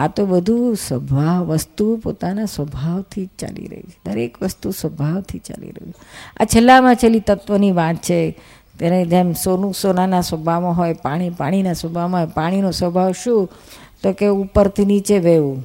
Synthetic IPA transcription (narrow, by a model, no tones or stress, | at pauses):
at̪obəd̪ʱusʋəbʱaʋʋəst̪upo̰t̪anasʋəbʱaʋt̪ʰit͡ʃa̰lḭɾə̰ɦḭt͡ʃʰe̥d̪əɾekʋəst̪usʋəbʱaʋt̪ʰit͡ʃa̰lḭɾə̰ɦua̰t͡ʃʰelːamãt͡ʃʰelit̪ət̪ʋəniʋãt̪t͡ʃʰe | t̪jaɾed͡ʒemsonũsonanasəbʱamãɦojpaɽ̃ipa̰ɽ̃inasəbʱamãɦopaɽ̃inosʋəbʱaʋʃũ | t̪okeupəɾt̪ʰinit͡ʃeʋeʋũ